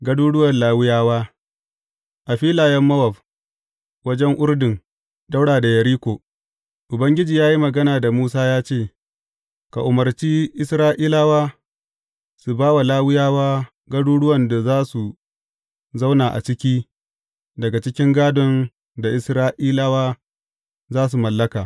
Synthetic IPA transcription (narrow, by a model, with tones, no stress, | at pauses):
ɡɐ˦duː˦ɽʊ˦wɐ˨nlaː˦wɪ˦jaː˦waː˦ | ʔa˨ɸiː˦laː˨jɛ˦mːɐ˦wɐ˨ɸ | wɐ˦d͡ʒɛ˦ŋʔʊ˦ɽdɪ˨ŋ | ɗa˦wɽaː˨da˨jɐ˨ɾiː˦kʷoː˨ | ʔʊ˨bɐ˦ŋɡʲɪ˦d͡ʒiː˨jaː˦ji˦mɐ˨ɡɐ˦naː˨da˨muː˦saː˦jaː˦t͡ʃeː˦˨ | ka̰˨ʔʊ˨mɐ˨rt͡ʃiː˦ʔɪ˦sɾaː˦ʔiː˦la˦waː˦ | su˨baː˦wa˨laː˦wɪ˦jaː˦waː˦ | ɡɐ˦ɽuː˦ɽʊ˦wɐ˨nda˨zaː˦su˨ | za˦wnaː˨ʔa̰˨t͡ʃɪ˦kʲiː˦ | dɐ˨ɡa˨t͡ʃɪ˦kʲɪ˦ŋɡaː˦dɔ˨n | da˨ʔɪ˨sɾaː˦ʔiː˦la˦waː˦ | zaː˦s̬u˨mɐ˨lːɐ˦kaː˨